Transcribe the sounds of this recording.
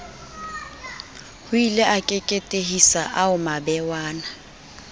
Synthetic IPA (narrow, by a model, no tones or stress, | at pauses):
hʊileʔakʼekʼetʼeɦisaʔaʊmabɛwaːna